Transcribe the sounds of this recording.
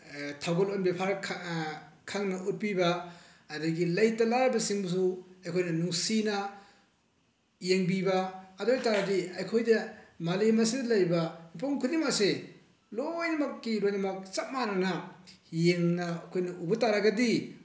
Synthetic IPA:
tʰawɡolonbepʰaɾʰ | kʰaŋnɐʔut̚pibɐː | dɐɡilɐjtɐlaɾbɐsiŋbs̬uɐjkʰojnɐnuŋsinɐ | jeŋbibɐːdojtaɾadiɐjkʰojdɐmalemɐsidɐlɐjbɐmipoŋkʰudimase | lojnɐmɐkːiɾojnɐmɐk̚t͡ʃɐp̚manɐnɐjeŋnɐkʰojnɐʔubɐtaɾaɡɐdi

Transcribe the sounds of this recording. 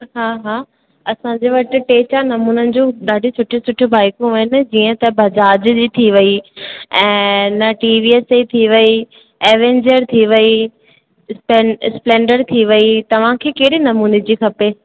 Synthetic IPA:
ɦaːɦaː | ɐsãɲd͡ʑeʋɐʈɪ̆ʈeːt͡ɕanɐmuːnənɪ̆d͡ʑũɗaːɖʱisʰʊʈʰesʊʈʰʊbaːɪkõɐɦɪnɪ̆d͡ʑiːə̃t̪ɐbʱɐd͡ʑaːd͡ʑd͡ʑiːt̪ʰiʋɐiɛ̃ːnɐʈiːʋieseit̪ʰiʋɐi | eːʋẽːɲd͡ʑəɾt̪ʰiʋɐi | spesplẽːɳɖəɾt̪ʰiʋɐit̪ɐʋ̤ãkʰeːkeɦɽinɐmuːned͡ʑixʰɐpeː

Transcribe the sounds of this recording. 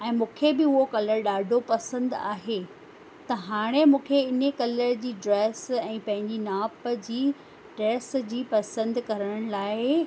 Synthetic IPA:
ɛ̃ːmũːkʰebɪʊɦokɐləɾɗaːɖʱopɐsə̃nd̪a̰ːɦe | t̪ɐɦaːɽ̃emũːkʰeɪnəkɐləɾd͡ʑiːɖɾɛːsɛ̃ːpɐ̃ɦɪ̃ɲd͡ʑinaːpəd͡ʑiː | ʈɛːsd͡ʑiːpɐsə̃nd̪kɐɾəɽ̃laːɪ

